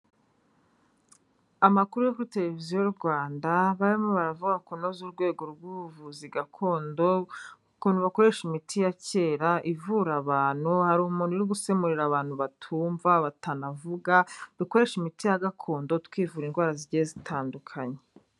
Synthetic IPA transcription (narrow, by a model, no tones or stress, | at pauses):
amakuɾujokuɾite̞ɾe̞viziojuɾɡwaːndaβaɾimoβaɾavuɡakonozuɾɡwe̞ːɡo̞ɾɡuuvuziɡakʰo̞ːndo̞ukunuβako̞ɾe̞ʃimitʰijace̞ːɾaʔivuɾaβaːn̥huhaɾuumuːnuɾoɡuse̞muɾiɾaβaːn̥huβatʰuːɱvaβatanavuɡad̥uko̞ɾe̞ʃimitijaɡakʰo̞ːndo̞tkwiːvuːɾinɡwaːɾaziɾɟezitʰaːndukʰaɲe